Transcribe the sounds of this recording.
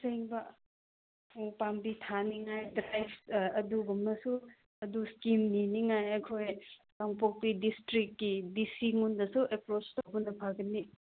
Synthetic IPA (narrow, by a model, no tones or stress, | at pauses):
seiŋbɐ | upambitʰaniŋajdɾajbsɐduɡumnɐsu | ɐduskimniniŋajɐkʰoj | kaŋpok̚pidistɾikːidisiŋundɐsuepɾot͡ʃtobunɐpʰaɡɐnːi